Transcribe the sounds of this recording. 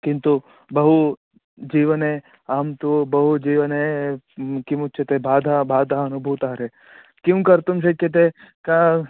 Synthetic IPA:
kɪ̃nt̪u | bɐɦu | d͡ʒiːʋənɦe | aːmt̪ubɐɦud͡ʒiːʋəne | kimut͡ʃʰet̪ebaːd̪ʱabaːd̪ʱaɦɐnubʱuʋt̪aːɾe | kjũkɐɾt̪umʃ̬eket̪̬ekãː

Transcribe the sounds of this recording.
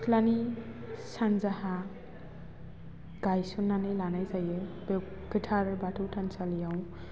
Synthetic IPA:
kʰlani | sanzaha | ɡajsunːanɯjlanajzajɯb | ɡ̥itʰaɾɯbatʰɯwtʰansalijaw

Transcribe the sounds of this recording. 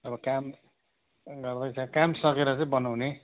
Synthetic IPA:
ʌbʌkam | ɡʌrd̪ʌjt͡sʰʌkamsʌkeɾʌt͡saĩbʌnawne

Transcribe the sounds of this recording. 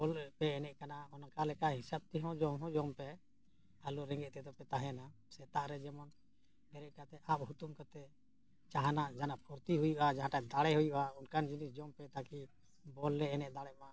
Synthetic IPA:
bɔlɛpɛɛnɛʔ̚kanaɔnakalɛkaʔɦisab̚t̪ɛɦɔ̃d͡ʒɔmɦɔ̃d͡ʒɔmpɛ | aluɾɛ̃ŋɡɛʔ̚t̪ɛd̪ɔpɛt̪aɦɛna | sɛt̪aʔɾɛd͡ʒɛmɔn | bɛɾɛʔ̚kat̪ɛʔap̚hut̪umkat̪ɛ | t͡ʃaɦanaʔd͡ʒanapʰuɾt̪iɦujuʔad͡ʒaɦãʈad̪aɽɛɦujuʔaunkand͡ʒinisd͡ʒɔmpɛt̪aki | bɔlːɛːnɛʔ̚d̪aɽɛma

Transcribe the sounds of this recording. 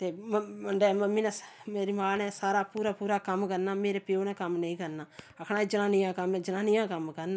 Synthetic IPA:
t̪eːməɳɖɛːməmːiːnaːmeːɾimaːnɛːsaːɾaːpuːɾaːpuːɾaːkəmkəɾnaːmeːɾeːpɪoːnãːkəmnə̃ĩːkəɾnaːəkʰnaːiːd͡ʒənaːnijãːkəmɛ̃ːd͡ʒənaːnijãːkəmkəɾna

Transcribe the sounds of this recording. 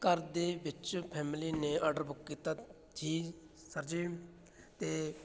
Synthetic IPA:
kəɾd̪eːʋɪt͡ʃpʰɛːmliːneːɔːɖəɾbʊkːiːt̪aː | d͡ʒiː | səɾd͡ʒiː | t̪eː

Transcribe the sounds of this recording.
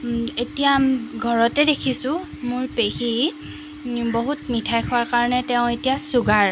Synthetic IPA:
etijamɡʱɔɹɔtɛdekʰisʊ̃ | mʊɹpexi | boɦutmitʰajxʰɔaɹkaɹɔnɛtɛʊ̃etijasuɡaɹ

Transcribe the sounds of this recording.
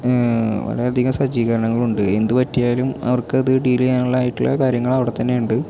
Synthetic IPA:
ʋɐ̰lɐ̰jɐd̪ʱiɣɐmsɐd͡ʑiːɣɐɾɐɳɐŋːɐɭuɳɖɨe̞nd̪ɨpɐtːijaːlumɐ̰ʋɐrkɨɐðɨɖilijaːnulːaːjiʈːiɭːɐ̰kaːɾjɐŋːɐɭɐʋiɽet̪ːɐnːe̞uɳɖɨ

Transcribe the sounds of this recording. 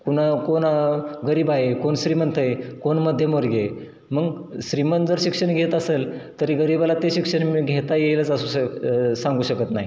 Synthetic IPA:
kuñ̤akonaɡəɾiːbaekoɳɕɾimənt̪ʰəekoɳməd̪ʱjəmʋəɾɡee | məɡ | ɕɾimənd͡zəɾɕikʂəɳɡʱet̪əselt̪əɾiɡəɾiːbalat̪eɕikʂəɳmiɡʱet̪ajelət͡səsuːɕəsãŋɡuːɕəkət̪naɦi

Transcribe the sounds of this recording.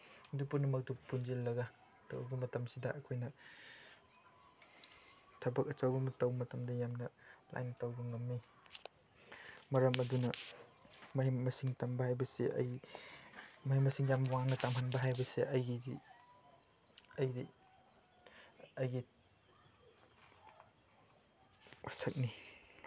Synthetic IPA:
dupunumɐk̚dupunzilːɐɡɐ | tʰo̰wbɐmɐtɐmsidɐʔɐkʰojnɐ | tʰɐbɐk̚ɐt͡ʃɐwbɐmɐtɐwmɐtɐmdɐjamnɐla̰jnɐtɐwbɐŋɐmːi | mɐɾɐmɐdunɐ | mɐimɐsiŋtɐmbɐhajbɐsḛɐ̰j | mɐɦimɐsiŋjamɐwaŋnɐtamɦɐnbɐɦajbɐseʔɐjɡii | ɐjdi | ɐjɡi | wʔa̰sɐk̚ni

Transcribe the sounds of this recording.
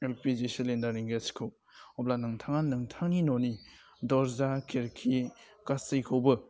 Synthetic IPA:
elpid͡ʒisilendaɾiŋɡeskʰɯw | ɔblanɯŋtʰaŋanːɯŋtʰaŋninɔni | dɔɾzakʰeɾkʰi | kastɯjkʰɯwbɯ

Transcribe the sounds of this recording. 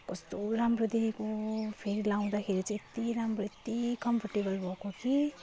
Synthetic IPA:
kʌst̪oɾamrod̪iɦikopʰeɾilaw̃d̪akʰeɾit͡sãet̪iɾamroet̪ikʌmpʰʌrʈibʌlbʱʌkoki

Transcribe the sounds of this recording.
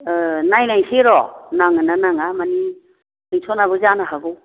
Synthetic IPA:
najnajsʰeɾɔnaŋɯnanaŋamani | ɯjtʰɔnaβɯzanaɦaɡu

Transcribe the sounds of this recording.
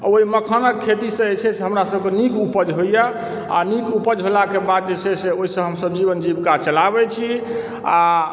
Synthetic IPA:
oɦiməkʰənəkʰːet̪isə̃et͡ʃʰɛseɦəmɾasəbkenikupəd͡ʒɦoija | a̰nikupəd͡ʒɦolakebad̪̚d͡ʒet͡ʃʰɛseoɦisə̃ɦəmsəbd͡ʒiβənd͡ʒibkat͡ʃəlabɛt͡ʃʰi | a

